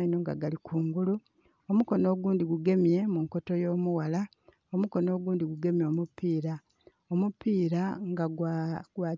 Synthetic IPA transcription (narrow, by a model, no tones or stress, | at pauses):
inoŋɡa̰ɡalikʰuːŋɡulu | omuko̞no̞ːɡuːndiɡuɡe̞mje̞muŋko̞to̞jo̞ːmuwala | omuko̞no̞ːɡuːndiɡuɡe̞mjo̞ːmupiːɾa | omupiːɾaŋɡaɡwaː